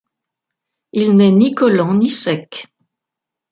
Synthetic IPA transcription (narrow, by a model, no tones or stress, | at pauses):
ilnɛnikɔlɑ̃nisɛk